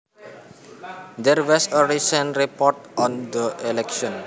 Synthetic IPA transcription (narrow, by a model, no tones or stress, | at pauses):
d̪ɛɾwɔsəɹisə̃ntɾipɔʈɔ̃nd̪əʔelɛkʃɔ̃n